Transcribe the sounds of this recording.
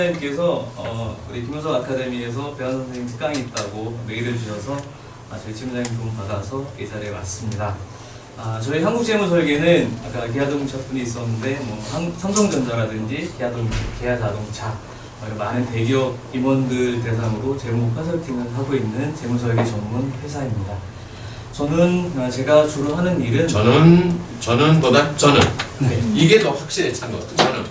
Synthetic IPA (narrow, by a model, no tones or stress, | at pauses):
aɲimk͈e̞sʰʌʌkuɾikimonsʰʌɡakʰade̞mie̞s̬ʰʌpe̞ɦansʰʌnsʰeisʰi̥k̚t͈aŋiːt̚t͈aɡomeɡideɭd͡ʑuɕʰʌsʰʌ | ʌt͡ɕʌit͡ɕʰimud͡ʑaɲimt͡ɕompadasʰʌke̞d͡ʑaɾe̞was͈ɯmɲida | at͡ɕʌiɦanɡuk̚t͡ɕ͈e̞musʰʌɭɡenɯna̰k͈ak̬eɦadoŋt͡ɕʰap͈uɲiːs̬͈ʌnːɯnde̞mwʌaŋsʰaŋsʰʌŋd͡ʑʌnd͡ʑaɾadɯnd͡ʑikeɦadoŋʰkejad͡ʑadoŋt͡ɕʰa | ʌiɾʌmanɯnte̞ɡiʌk̚k͈imwʌndɯɭte̞s̬ʰaŋɯɾot͡ɕe̞mupʰesʰʌɭtʰiŋɯnɦaɡoinːɯnt͡ɕe̞musʰʌɭɡe̞t͡ɕʌŋmunɸwe̞sʰaimɲida | t͡ɕʌnɯnat͡ɕe̞ɡat͡ɕuɾuɦanɯniɾɯnʌnɯn | t͡ɕʌnɯnpodat͡ɕʌnɯnne̞iɡe̞tʌɸwak̚ɕ͈iɾet͡ɕʰaŋɡʌk͈a̰tʰɯt͡ɕʌnɯn